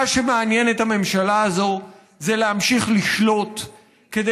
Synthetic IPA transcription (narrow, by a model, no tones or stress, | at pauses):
aʃe̞meanje̞nethame̞mʃalaazo̞ | zelehamʃiχliʃlo̞t | ke̞d̪e